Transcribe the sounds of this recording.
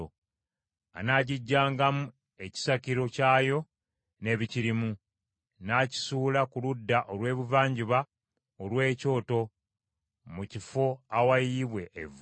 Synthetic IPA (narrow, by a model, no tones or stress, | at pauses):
o | a̰naːɟiɟːaːŋɡamu | e̞ci̥saciɾo̞caːjo̞ | ne̞βiciɾimu | naci̥suːlakuludːaʔolwe̞ːβuvaːɲɟiβa | olwe̞ːco̞ːto̞ | mucifo̞awajiβwe̞ʔːv